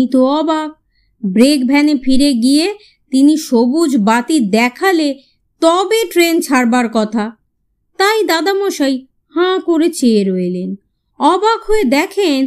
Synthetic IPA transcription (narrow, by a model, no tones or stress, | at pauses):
it̪oɔbak̚ | bɾek̚bʱɛnefʰiɾeɡije | t̪iniʃobud͡ʑbat̪id̪ɛkʰale | t̪ɔbeʈɾent͡ɕʰaɾbaɾkɔt̪ʰa | t̪ajd̪ad̪amɔʃaj | hãkoɾet͡ɕeːɾɔelen | ɔbakɦoed̪ɛkʰen